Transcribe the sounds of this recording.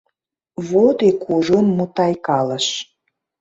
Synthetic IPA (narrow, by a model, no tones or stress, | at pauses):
βod̪ekʰuʒənmut̪ɑjkɑlə̆ʃ